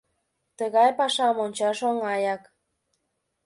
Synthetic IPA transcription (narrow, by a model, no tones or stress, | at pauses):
t̪əɣɑjpɑʃɑmonʲt͡ɕɑʃoŋɑjɑk